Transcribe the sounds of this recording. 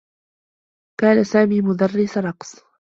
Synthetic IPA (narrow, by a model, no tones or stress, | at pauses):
kaːnasaːmiːmʊd̪ɑrˤːɪsɾˤɑqsˤ